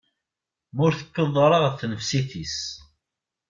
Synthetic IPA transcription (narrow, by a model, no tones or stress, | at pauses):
mʊɾθə̥kːəðˤːɾˤəʁθːnəfsiθis